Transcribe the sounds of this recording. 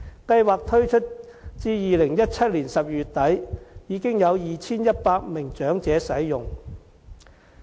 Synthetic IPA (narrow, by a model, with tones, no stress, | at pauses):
kɐ˧jwaː˨k̚t̪ʰɵ˥ɥt͡ʃʰɵ˥t̚ | t͡siː˧jiː˨lɪ˨˩ŋjɐ˥t̚t͡sʰɐ˥t̚liː˨˩nsɐ˨p̚jyː˨˩t̚t̪ɐ˨˥jjiː˨˧kɪ˥ŋjɐ˨˧wjiː˨t͡sʰiː˥njɐ˥t̚paː˧k̚mɪ˨˩ŋt͡ʃœː˨˥ŋt͡sɛː˨˧sɐ˨˥jjʊ˨ŋ